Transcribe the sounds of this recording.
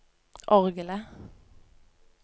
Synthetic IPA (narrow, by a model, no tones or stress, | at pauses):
ʔɔʁɡələ